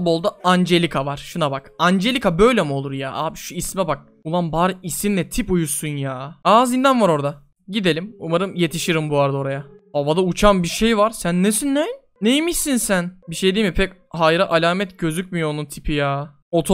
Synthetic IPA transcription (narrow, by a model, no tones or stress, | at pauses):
bo̞lˠd̪aand͡ʒe̞lʲikʰavaɾ̥ʃunabakand͡ʒe̞lʲikʰabø̞jlʲemiolˠuɾjaːʔaːbiʃuismɛbak̚ | ulˠanbaːɾɯisinlɛt̪ʰipujusunjaːaːzind̪ænvaɾo̞ɾd̪a | ɟid̪e̞lʲimumaɾɯmje̞t̪ʰiʃiɾimbuaɾd̪o̞ɾaja | obad̪aut͡ʃʰambiɾʃe̞jvaɾsænːesinːɛː | ejimiʃsinsænbiʃe̞jd̪iːmipʰɛc | hajɾaʔalʲaːmɛt̪ɟø̞zyc̚ʲmijoonunt̪ʰipʰijaː | o̞t̪ʰo